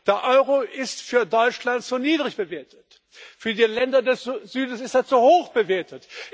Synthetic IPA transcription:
d̥eːɐʔɔʏʁoʔɪstfyːɐdɔʏt͡ʃlantz̥oːniːdʁɪçb̥əveːɐtət | fyːɐdiːlɛndɐdɛsz̥yːdn̩sɪstez̥ohoːxb̥əveːɐtət

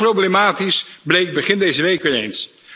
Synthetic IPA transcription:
prowblemaːtisblejk̚bəχɪndejzəʋejkʋɪːɹḛjns

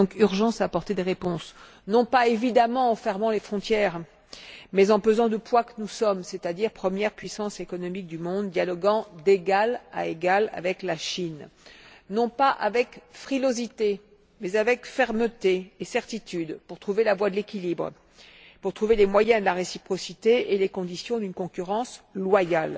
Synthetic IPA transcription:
ɔ̃kyʁʒɑ̃saːpɔʁt̪ed̪eʁepɔ̃s | nɔ̃paevid̪amɑ̃ɑ̃fɛʁmɑ̃lefχɔ̃t̪jɛːʁ | mɛzɑ̃pøzɑ̃d̪əpwakənusɔmset̪ad̪iʁpχəmjɛʁpɥisɑ̃sekɔnɔmik̚d̪ymɔ̃d̪ːjalɔɡɑ̃d̪eɡala̰eɡala̰vɛklaʃin | nɔ̃paʔavɛkfχilozit̪e | mɛzavɛkfɛʁmət̪eːsɛʁt̪it̪yd̪puʁt̪χuvelavwad̪əlekʲilibʁə̰ | puʁt̪χuvelemwajɛ̃d̪əlaʁesipχɔsit̪eelekɔ̃d̪isjɔ̃d̪ynkɔ̃kʲyʁɑ̃slwajal

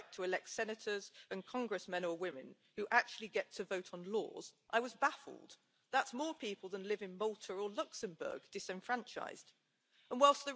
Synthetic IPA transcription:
k̚tʰəɪlɛk̚tsɛnɨtʰə˞zɨ̃nkʰɒ̃ŋɡɹɨsmɛ̃nəwɪ̃mɨ̃n | hʉʔak̚t͡ʃʉl̩ˠiɡɛtʰəvoʊtn̩lɔ̰ːz̥ʔaɪwʌzbafə̰l̩ˠd | ðatsmɔːpʰiˑpəlˠðə̃nlɪvɨ̃nmʌlˠtʰə˞əlʌksɨ̃mbɜ̰˞ɡ̚d̥ɪsɪ̃ɱfɹãnt͡ʃʰa̰ɪz̥d̥ | ə̃nwaɪlˠsðə

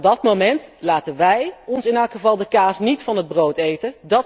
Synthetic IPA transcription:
dɑtmomɛntlaːtənʋɛjɔnsɪnɛlˠkχəvɑlˠdəkaːsnitfɑnɦəd̚browtejtəndɑt

